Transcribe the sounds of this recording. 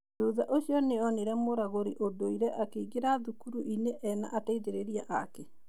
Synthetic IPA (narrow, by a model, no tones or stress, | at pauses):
d͡ʒuðaʔoɕiɔneɔneɾɛmoɾaɣoɾiʔodoiɾɛʔakeiɣeɾaðukuɾuʔineʔɛna̰ʔataiðeɾeɾiaʔakɛ